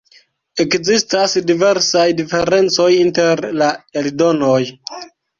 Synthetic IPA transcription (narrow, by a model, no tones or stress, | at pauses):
e̞kzistasdive̞ɾsajdife̞ɾe̞nt͡so̞jinte̞ɾlaeldo̞no̞j